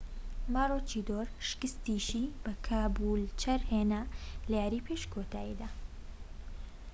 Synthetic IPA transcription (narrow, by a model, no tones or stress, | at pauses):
maːrot͡ʃid̪oːɾʃɨ̥kɨst̪iʃibɐkʰaːbuːlt͡ʃʰɐɾheːnalɛjaːɾiːpʰeːʃkʰot̪ʰaːḭd̪aː